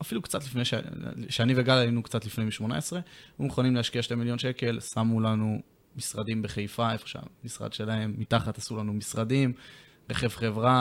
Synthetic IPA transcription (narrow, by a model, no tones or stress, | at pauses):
afilukt͡sat̪lifnejʃeʃeaniveɡalainukt͡sat̪lifnemiʃmo̞na̰esʁe̞umeχonimleaʃkiaʃte̞miljo̞nʃe̞ke̞lsamulanu | misʁad̪imbe̞χejfae̞fo̥ʃea̰misʁa̰d̪ʃe̞lae̞mːit̪aχat̪asulanumisʁad̪im | ʁeχevχe̞vʁa